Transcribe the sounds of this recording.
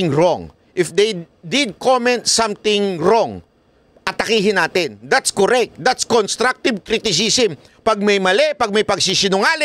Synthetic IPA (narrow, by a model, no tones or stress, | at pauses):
ɪŋɾoŋ | ʔɪfd̪ɛj | d̪ɪd̪̚komɛ̃nt̪sãmt̪ɪŋɾoŋ | ʔɐt̪ɐkiːɦɪnaːt̪ɪnd̪at̪skoɾɛk̚t̪̚d̪at̪skɔnst̪ɾak̚t̪ɪvkɾit̪ɪsisɪm | pɐɡ̚mɐjmɐlɛpɐɡ̚mɐjpɐɡ̚sisɪnʊŋaːlɪ